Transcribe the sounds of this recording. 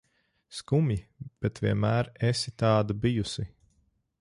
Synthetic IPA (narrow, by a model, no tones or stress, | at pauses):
skumjib̥ɛt̪vʲiɛnmæːɾesit̪ɑːd̪abijusi